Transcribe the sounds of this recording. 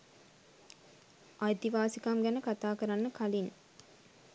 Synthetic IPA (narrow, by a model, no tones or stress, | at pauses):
ʔajt̪iʋaːsikamɡænəkat̪aːkəɾanːəkalin